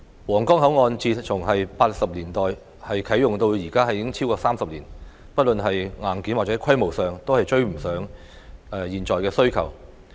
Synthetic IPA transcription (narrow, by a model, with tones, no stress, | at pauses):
wɔː˨˩ŋkɔː˥ŋɦɐ˨˥wŋɔː˧nt͡siː˧t͡sʰʊ˨˩ŋɦɐ˨jpaː˧t̚sɐ˨p̚liː˨˩nt̪ɔː˨j | hɐ˨jkʰɐ˨˥jʊ˨ŋt̪o˧wjiː˨˩kaː˥ɦɐ˨jɪ˨˥ŋt͡sʰi˥wkɔː˧saː˥msɐ˨p̚liː˨˩n | pɐ˥t̚lɵ˨nɦɐ˨jŋaː˨˩nkiː˨˥nwaː˨t͡sɛ˨˧˥kʰɐ˥jmo˨˩wsœː˨˩ŋt̪o˥whɐ˨jt͡ʃɵ˥˧ɥm̩˨˩sœː˨˥ŋ | ʔɛː˨jiː˨˩nt͡sɔː˨˩jkɛː˧sɵ˥ɥkʰɐ̰˨˩w